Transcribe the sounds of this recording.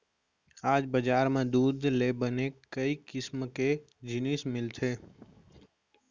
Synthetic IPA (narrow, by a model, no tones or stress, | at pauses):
aːd͡ʒbəd͡ʒaːɾmẽd̪ud̪lebənekəikɪsmke | d͡ʒɪnismɪlt̪ʰe